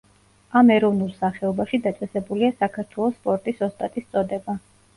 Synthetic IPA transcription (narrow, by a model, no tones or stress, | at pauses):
amɛɾɔvnulˠsaχɛɔbaʃid̪at̪sʼɛsɛbuliasakʰaɾt̪ʰwɛlˠɔsːpʼɔɾt̪ʼisɔst̪ʼat̪ʼist̪sʼɔd̪ɛba